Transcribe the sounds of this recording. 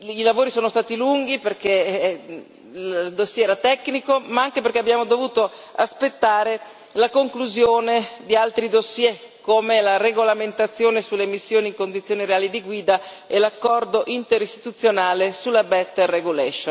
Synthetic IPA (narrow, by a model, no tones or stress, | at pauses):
ilavoːɾisoːnost̪aːt̪iluŋɡiperk̟e | ld̪osːjɛɛːɾat̪ɛkːnikomaaŋkeperkeabːjaːmod̪ovuːt̪oaspet̪ːaːɾe | lakoŋkluzjoːned̪ialt̪ɾid̪osjɛ | kːoːmelareɡolament̪at̪sːjoːnesulːemisːjoːniŋkond̪it̪sjoːniɾeaːlid̪iɡwiːd̪aelakːɔrd̪oʔint̪eɾist̪i̥t̪ut̪sːjonaːlesulːabɛt̪ːreɡulɛʃo